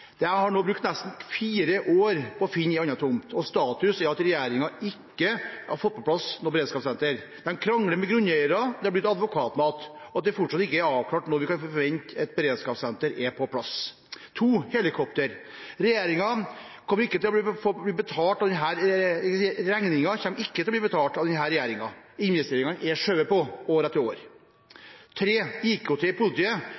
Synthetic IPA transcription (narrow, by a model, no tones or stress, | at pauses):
d̪̥ɛhɑɾɳoːbɾʉk̚t̪næst̪n̩fiːɾəʔoːɾpʰɔfɪnːɪɑnɑt̪ʰʊmt̪ʰɔst̪ɑːt̪ʉsæɾɑt̪ɾɛjeːɾɪŋɑɪkːəɑ̰ɾfɔt̪̚ːpʰɔpʰlɑsnɔɾbɛɾeːd̪skɑːpsɛnt̪əɾ | mɛnkʰɾɑŋːləmɛɡɾʉnɛɪəɾɑd̪ɛhɑblɪt̪ːɑd̪ʋʊkʰɑːt̪mɑːt̪ɔɑt̪̚d̪ɛfɔʈʂɑt̪ːɪkːəæɾɑːʋklɑːʈnɔɾʋɪkɑnfɔʋɛnt̪ɛt̪bəɾeːd̪skɑːpsɛnt̪əɾɛpʰɔpʰlɑs | t̪ʰuːhɛlɪkʰɔpt̪əɾ | ɾɛjeːɾɪŋɑ | kʰɔməɾɪkːət̪ʰɪlɔb̪fob̪iːbət̪ʰɑːʈɑʋd̪ɛnɦæːɾɛksiːɾæŋnɪŋɑçɛmːɾɪkːət̪ʰɪlɔb̪libət̪ʰɑːlʈɑʋd̪ɛnɦæːɾɛjeːɾɪŋɑ | ɪnʋɛst̪eːɾɪŋɑnʔɛʂøːəpɔoːɾɛt̪ːɪo̰ːɾ | t̪ʰɾeːiːkʰoːt̪ʰepʊlɪt̪ʰiːə